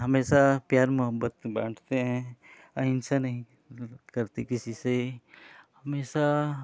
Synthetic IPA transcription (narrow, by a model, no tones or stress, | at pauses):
ɦɐmeːʃapjaːɾmʊɦəbːət̪bã̰ːʈʰt̪eɦɛ̃ | ɐɪ̃nsanɐɦĩ | kəɾt̪ikɪsise | hɐmeːʃa